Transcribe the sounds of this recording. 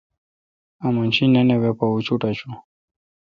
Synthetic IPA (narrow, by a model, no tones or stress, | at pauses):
amant͡ʃinɛnɛβɛpaut͡ʃutat͡ʃu